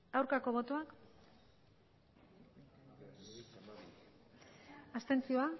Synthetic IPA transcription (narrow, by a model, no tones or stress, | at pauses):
awɾkako̞βo̞t̪oak | ast̪e̞nt͡sio̞a